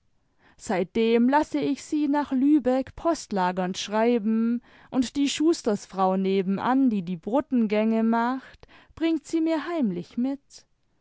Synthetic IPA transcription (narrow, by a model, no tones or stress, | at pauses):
z̥aɪt̚d̥eːmlasəɪçz̥iːnaːχlyːbɛkpʰɔstlaːɡɐnʃʁ̥aɪbm̩ | ʔʊntd̥iːʃuːstɐsfʁ̥aʊneːbm̩ʔa̰ndiːdiːbʁʊtn̩ɡɛŋəmaχtb̥ʁɪŋtz̥iːmiːɐɦaɪmlɪçmɪt